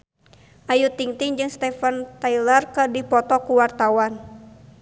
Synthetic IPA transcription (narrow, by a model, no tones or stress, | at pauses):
ʔajut̪iŋt̪ɪŋd͡ʒɨŋst̪ɛfant̪ailərkɨdipɔt̪ɔkuwart̪awan